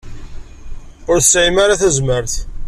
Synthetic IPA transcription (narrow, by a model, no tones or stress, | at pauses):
ʊɾsːʕimaɾaθæzməɾθ